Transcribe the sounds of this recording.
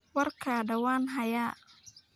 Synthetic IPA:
wɐrkʰɐɖɐwaːnɦɐjaː

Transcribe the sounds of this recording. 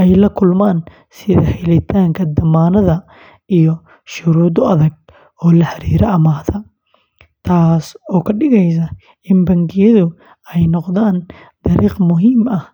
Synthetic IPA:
ʔɛjlɐkʰʊlmaːn | sɪðɐhɛlɪt̪ʰaːŋkʰɐd̪ɐmaːnɐðɐ | ijɔ | ʃʊɾuːd̪ɔɐðɐɡ̚ | ɔːlɐħɐɾḭːɾʔɐɐmaːðɐ | t̪ʰaːsɔːkʰɐɖɪɣɛjs̬ɐ | ɪnbɐŋɡɪjɐðʊ | ɛjnɔqðaːn | d̪̥ɐɾiːqmʊɦiːmɐh

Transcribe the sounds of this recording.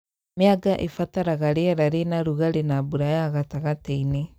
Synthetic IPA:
meaɡaʔefataɾaɣaɾeaɾaɾenaɾuɣaɾenaːbuɾajaɣataɣatɛine

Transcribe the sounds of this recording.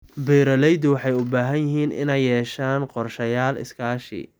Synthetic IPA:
bɛːɾɐlɛjd̪ʊwɑħɑjʊbaːɦɐnjɪɦiːnʔɪ̰nɛjːɛːʃaːnqɔrʃɐjaːlɪ̰skʰaːʃɪ̰

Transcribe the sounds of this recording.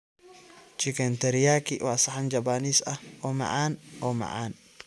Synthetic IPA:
t͡ʃɪkɛnt̪ɛɾɪjaːkiwaːsɐħand͡ʒɐbaːniːsɐʔɔmɐ̰ʕaːnɔmɐ̰ʕaːn

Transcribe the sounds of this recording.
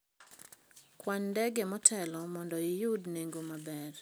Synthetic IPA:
kwandɛɡɛmɔtʰɛlɔmɔndɔɪjʊdneŋɡomabɛr

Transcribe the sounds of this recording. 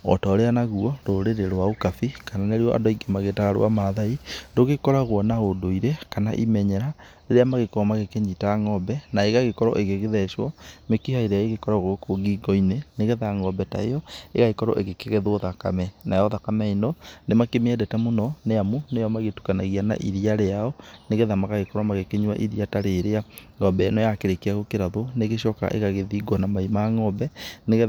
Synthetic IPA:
ɔ̰tɔɾeanaɣuɔɾoɾeɾeɾwaokafikananeɾeɔʔa̰doiɡemaɣetaɣaɾo̰a̰maðaindoɣekɔɾaɣwɔnaodoiɾekana̰ʔimɛɲɛɾa | eɾeamaɣekɔɔmaɣekeɲitaaŋɔbɛnaeɣaɣekɔɾɔ̰ʔeɣeɣeðɛʃwɔmekihaiɾeaeɣekɔɾaɣoɣokoɡiɡɔineneɣeðaŋɔbɛta̰ḛjɔeɣaɣekɔɾɔ̰ʔeɣekeɣɛðwɔðaka̰mɛnajɔðakamɛinɔnemakemɛdɛtɛmonɔneamunejɔmaɣetu̥kanaɣiana̰ʔiðiaɾeaɔneɣɛðamaɣaɣekɔɾwamaɣekeɲwa̰ʔiðiataɾeɾeaŋɔbɛnɔjakeɾekeaɣokeɾaðoneɣeɕɔka̰ʔḛɣaɣeðiːɡwɔnamaimaŋɔbɛneɣɛ

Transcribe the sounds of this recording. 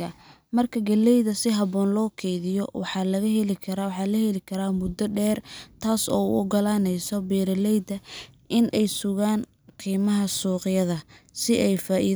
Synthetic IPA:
ɐ | mɐrkʰɐɡɐlːɛjðɐsɪɦɐβɔːnlɔːkʰɛjðɪjɔwɑħɑːlɐɣɐɦɛlɪkʰɐɾawħɑːlɐhɛlɪkʰɐɾaːmʊd̪ːɐɖɛːrt̪ʰaːsɔ̰ːṵʊɡɐlaːnɛjsɔbɛːɾɐlɛjd̪ɐʔɪnʔɛjsʊɣaːn | qiːmɐɦɐsuːqɪjɐðɐsɪʔɛjfaːʔi

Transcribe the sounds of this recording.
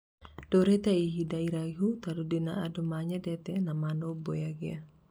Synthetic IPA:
d̥oɾɛt̪aiɦidaiɾaɦut̪adudinaadomaɲɛdɛt̪ɛnamanobojaɡia

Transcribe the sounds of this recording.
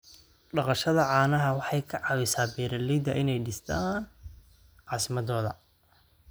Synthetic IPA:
ɖɑqɑʃɐðɐʕɑːnɐɦɐwɑħɑjkʰɐʕɑːwɪsaːbɛːɾɐlɛjd̪ɐʔɪnɛjɖɪst̪ʰaːn | ʕɑːsɪmɐðɔːðɐ̰

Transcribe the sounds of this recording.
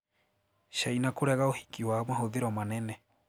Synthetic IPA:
ʃainakoɾɛɣaohikiwamaɦoðeɾɔmanɛnɛ

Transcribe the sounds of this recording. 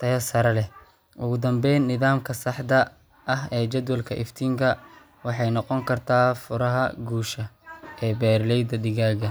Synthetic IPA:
t̪ʰɐjɐsɐɾɐlɛ | ʔʊɣʊd̪ɐmbɛjnːɪðaːmkʰɐsɑħd̪ɐ | ʔɐɦɛːt͡ʃɐd̪wɐlkʰɐʔɪft̪ʰiːŋkʰɐ | wɑħɑjnɔqɔŋkʰɐrt̪ʰaːfʊɾɐɦɐ̰ɡuːʃɐɛːbɛːrlɛjd̪ɐɖɪɣaːɣɐ

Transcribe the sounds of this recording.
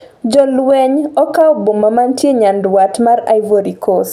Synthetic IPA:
d͡ʒɔlwɛɲɔkawbomamantjeɲandwatmaɾa̰jvoɾikɔs

